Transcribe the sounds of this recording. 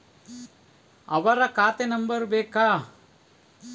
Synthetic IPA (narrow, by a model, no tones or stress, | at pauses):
ɐʋɐɾɐkaːt̪enɐmbɐɾbeːkaː